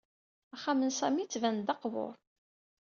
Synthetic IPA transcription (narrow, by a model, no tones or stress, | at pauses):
æχamənsæmit͡sːvænd̪ɑqvʊ̰ɾˤ